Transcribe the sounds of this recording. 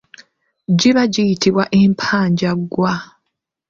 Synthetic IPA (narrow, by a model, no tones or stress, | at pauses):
ɟiβaɟijitiβwaʔeːmpʰaːɲɟaɡwa